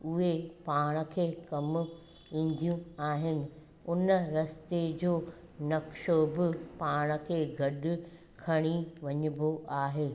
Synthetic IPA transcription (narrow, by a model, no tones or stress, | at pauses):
ʊɦepaːɽ̃ə̆kʰeːkɐmʊ | ĩːn̆d̪ʱijũaːɦɪnɪ̆ | ʊnəɾɐst̪ed͡ʑoː | nɐkʃobɪpaːɽ̃ə̆kʰeːɡʱɐɗʊ̆ | kʰɐɽ̃iʋɐɲʊboaːɦeː